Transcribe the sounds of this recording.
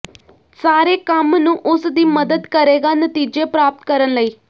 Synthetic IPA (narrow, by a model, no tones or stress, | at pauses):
saːɾeːkəmnũːʔʊsd̪iːməd̪əd̪kəɾeːɡaːnət̪iːd͡ʒepɾaːp̚t̪kəɾənləiː